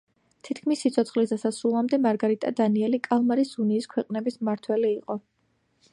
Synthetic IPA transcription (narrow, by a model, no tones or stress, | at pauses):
t̪ʰit̪ʰkʰmisːit̪sʰɔt̪sʰχlisd̪asasulˠamd̪ɛmaɾɡaɾit̪ʼad̪aniɛlikʼalˠmaɾisuniːskʰwɛqʼnɛbismaɾt̪ʰwɛliːqʼɔ